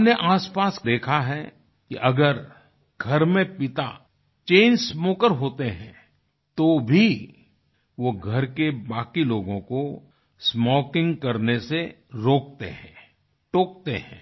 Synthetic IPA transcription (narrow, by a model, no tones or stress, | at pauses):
neʔaːspaːsd̪eːkʰaɦɛ | kḭʔɐɡəɾ | ɡʱɐɾmẽpɪt̪a̰ | t͡ʃẽːnsmoːkəɾɦoːt̪eɦɛ̰̃ | t̪obʱi | ʋoɡʱɐɾkebaːkiloːɡõko | smɔːkɪ̃ŋɡkɐɾnese | ɾoːk̚t̪ḛɦɛ̰̃ | ʈoːk̚t̪ḛɦɛ̰̃ː